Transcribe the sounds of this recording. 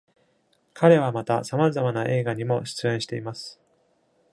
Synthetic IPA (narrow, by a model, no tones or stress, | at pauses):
kʰaɾe̞βamat̪asamazamanaʔe̞ːɡaɲ̟imo̞ɕi̥t͡sɨẽ̞ɰ̃ɕi̥t̪e̞imasɨ̥